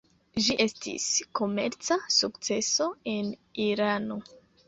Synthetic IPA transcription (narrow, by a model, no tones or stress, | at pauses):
ʒiʔe̞stḭsko̞me̞̰ɾt͡sasukt͡se̞so̞e̞niɾano̞